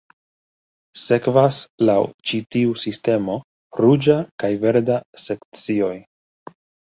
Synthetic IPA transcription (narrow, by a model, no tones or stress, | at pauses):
se̞kvaslawt͡ʃitiusiste̞mo̞ | ɾud͡ʒakajve̞ɾdase̞kt͡sio̞j